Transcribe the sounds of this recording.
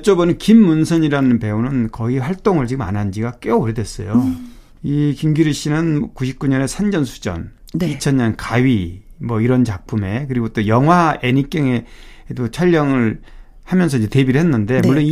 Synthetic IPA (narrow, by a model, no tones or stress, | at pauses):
t͡ɕ͈obʌnɯnkimːunsʰʌɲiɾanɯnpe̞unɯnkʌiɸwaɭt͈oŋɯɭt͡ɕiɡɯma̰nɦand͡ʑiɡak͈euɾidwe̞s͈ʌ̰jo | ikimɡiɾɯɕ͈inɯnkuɕʰi̥p̚k͈uɲʌne̞sʰand͡ʑʌnsʰu̥d͡ʑʌ̰n | nit͡ɕʰʌnɲʌnkaɥimwʌiɾʌnt͡ɕak̚pʰume̞kɯɾiɡot͈ojʌŋɦwaenik͈eŋe̞dot͡ɕʰaʎːʌŋɯɭ | hamjʌnsʰʌiɲd͡ʑete̞biɾɯɭhɦenːɯnde̞mmuɭːoni